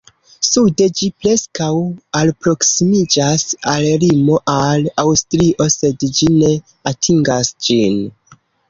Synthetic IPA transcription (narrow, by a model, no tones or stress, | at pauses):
sude̞d͡ʒipɾe̞skawalpɾo̞ksimid͡ʒasallimo̞ʔalawstɾiʔo̞se̞dd͡ʒine̞ | atʰiŋɡasd͡ʒin